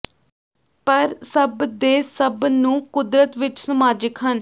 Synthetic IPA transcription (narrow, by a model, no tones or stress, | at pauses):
pəɾsəbd̪eːsəbnũːkʊd̪ɾət̪ʋɪt͡ʃsəmaːd͡ʒəkɦən